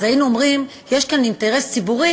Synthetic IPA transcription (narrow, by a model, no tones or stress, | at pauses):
zajinuomʁim | je̞ʃkaninteʁe̞st͡sibuʁi